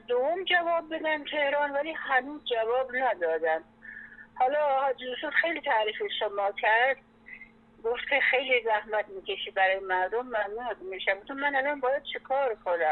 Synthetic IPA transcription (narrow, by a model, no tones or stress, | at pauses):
d̪ovomd͡ʒævɒːb̚ːe̞d̪ænt̪ʰe̞hɾɒːnvæliːhænuːzd͡ʒævɒːbnæd̪ɒːd̪æn | hɒːlɒːhɒd͡ʒiuʃud̪xejliːt̪ʰæɾiːfeʃomɒːkʲʰæɾd̪̥̚ | ɡoft̪kʰʲe̞xe̞jlizæhmæt̪̚miːkʲʰe̞ʃibæɾɒːjemæɾd̪omːænuːzmiʃæmut̪ʰumænælɒːnbɒːjæd̪̥̚t͡ʃʰekʰɒːɾkʰonæ